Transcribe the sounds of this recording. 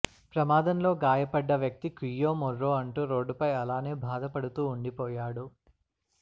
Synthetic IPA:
pɾɐmaːd̪ɐmlo̞ːɡaːjɐpɐɖːɐʋjɐk̚t̪ikijːo̞ːmɔrːoːɐɳʈuːɾo̞ːɖːupɐjɐlaːne̞ːbʱaːd̪ɐpɐɽut̪uːɳɖipɔːjaːɽu

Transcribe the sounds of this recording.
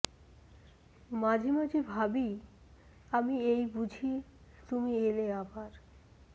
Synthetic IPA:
mad͡ʑʱimad͡ʑʱibʱabi | amiejbud͡ʑʱit̪umieleabaɾ

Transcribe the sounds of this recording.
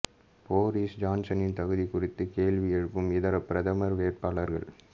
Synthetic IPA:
poːɾiːsd͡ʒaːnsɐnɪnt̪ɐɣɯðikʊrɪt̪ːɯkeːlʋɪjɛɻɯpːɯmɪðɐɾɐpɪɾɐðɐmɐɾʋeːʈ̚paːɭɐɾɣɐ̰ɭ

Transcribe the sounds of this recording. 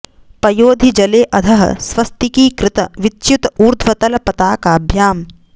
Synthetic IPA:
pɐjoːd̪ʱid͡ʒɐleːʔɐd̪ʰʱɐɦɐ̰sʋɐst̪ikiːkɾɪt̪ɐʋitːt͡ʃut̪ɐuːɾd̪ʱʰʋɐt̪ɐlɐpɐt̪aːkaːbʱjaːm

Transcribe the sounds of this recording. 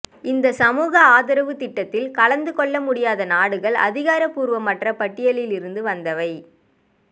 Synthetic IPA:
ɪnd̪ɐsɐmuːɣɐaːðɐɾɐʋɯt̪ɪʈːɐt̪ːɪlkɐɭɐnd̪ɯkɔɭːɐmʊɽɪjaːðɐnaːɽɯɣɐɭɐ̰ðɪɣaːɾɐpːuːɾʋɐmːɐʈrɐpɐʈːɪjɐɭɪlɪɾɯnd̪ɯʋɐnd̪ɐʋɐɪ

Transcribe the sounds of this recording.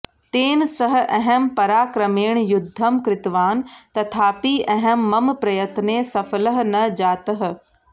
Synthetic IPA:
t̪eːnɪ̆sɐɦ̆ʔɐɦəmpɐɾaːkɾɐmeːɽ̃jʊd̪ʱːɐmkɾɪt̪ʋaːnt̪ɐt̪ʰaːpiʔɐɦəmːɐmpɾɐjɐt̪nesɐfələɦ̆nɐd͡ʑaːt̪əɦ̆

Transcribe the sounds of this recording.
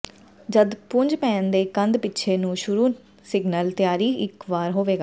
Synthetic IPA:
d͡ʒəd̪pʊɲd͡ʒpɛ̃ːnd̪eːkənd̪pɪtːʃʰeːnũːʃʊɾuː | sɪɡnəlt̪ɪjaːɾiːɪkʋaːɾɦoːʋeːɡaː

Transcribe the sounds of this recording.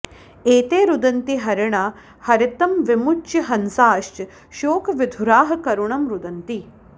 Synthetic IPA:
eːt̪eːɾud̪ɐnt̪iɦɐɾɐɳa | hɐɾɪt̪ɐmʋɪmut͡ʃːiɦɐnsaːʃt͡ʃ | ʃoːkʋɪd̪ʱuɾaːɦɐ̆kɐɾuɳɐmɾud̪ɐnt̪i

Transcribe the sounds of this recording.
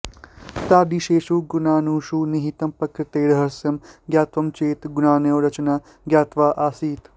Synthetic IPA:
t̪aːd̪iʃeːʃuːɡunaːnuːʃuniɦit̪ɐmpɐkɾt̪eːɽɦɐsjɐmɡjaːt̪ʋɐmt͡ʃeːt̪ɡunaːneɾɐt͡ʃnaː | ɡjaːt̪ʋaːʔaːsiːt̪

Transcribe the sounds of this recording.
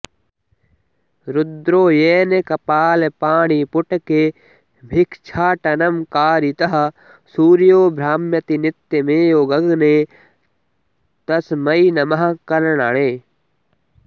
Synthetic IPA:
ɾʊd̪ɾoːjeːnekɐpaːlepaːɽipʊʈke | bʱɪkʰt͡ʃʰaːʈɐnɐmkaːɾit̪ɐɦɐ̆ | suːɾijoːbʱɾaːmjɐt̪inɪt̪ːjemẽːjoːɡɐɡneː | t̪ɐsmɐinɐmɐɦkɐɾəɽ̃aɽeː

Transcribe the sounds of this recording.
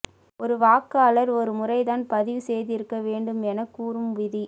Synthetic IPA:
ʔɔɾɯʋaːkːaːlɐɾɔɾɯmʊrɐɪðaːnpɐðɪʋɯsɛjðɪɾɯkːɐʋeːɳɖɯmɛnɐkːuːrɯmʋɪði

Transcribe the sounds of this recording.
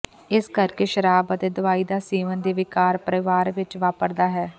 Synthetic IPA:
ɪskəɾkeːʃəɾaːbət̪eːd̪ʊʋaːiːd̪aːseːʋənd̪eːʋɪkaːɾpəɾəɪʋaːɾʋɪt͡ʃʋaːpəɾd̪aːɦɛː

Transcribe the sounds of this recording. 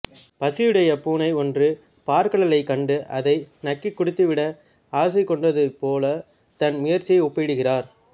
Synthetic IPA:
pɐsɪjɪɽɐjɐpuːnɐɪɔndrɯ | paːɾkɐɭɐlɐɪkːɐɳɖɯʔɐðɐɪnɐkːikːʊɽɯt̪ːɯʋɪɽɐ | aːs̬ɐɪkːɔɳɖɐðɯpoːlɐ | t̪ɐnmʊjɐɾt͡ʃːɪjɐɪʊpːɐɽɯɣɪraːɾ

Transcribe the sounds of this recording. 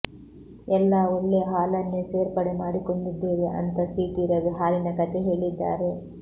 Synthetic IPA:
ɛlːaolːeɦaːlɐnːeseːɾpɐɽemaːɽiko̞ɳɖid̪ːeːʋeʔɐ̰nt̪ɐsiːʈiɾɐʋiɦaːlinɐkɐt̪e̞ɦe̞ːɭid̪ːa̰ːɾe̞

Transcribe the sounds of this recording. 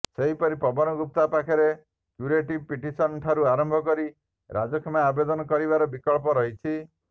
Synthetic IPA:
seɦipɔɾipɔbɔnɔɡup̚t̪apakʰɔɾe | kjuɾeʈib̚piʈisɔnʈʰaɾuaɾɔmbʱɔkɔɾi | ɾad͡ʒɔkʰɔmaabed̪ɔnɔkɔɾibaɾɔbikɔɭpɔɾɔɦit͡ʃʰi

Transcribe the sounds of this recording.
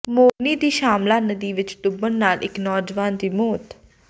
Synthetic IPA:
moːniːd̪iːʃaːmlaːnəd̪iːʋɪt͡ʃd̪ʊbənnaːlʔɪknɔːd͡ʒʋaːnd̪iːmoːt̪

